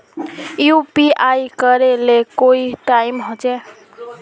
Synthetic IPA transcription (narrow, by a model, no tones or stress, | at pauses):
jupiʔajkʌɾelekoiʈajmɦot͡se